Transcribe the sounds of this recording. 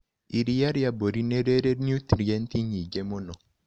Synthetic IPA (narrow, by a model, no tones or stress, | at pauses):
iɾijaɾjaboɾineɾeɾenjut̪ɾiɛntiɲiɡemonɔ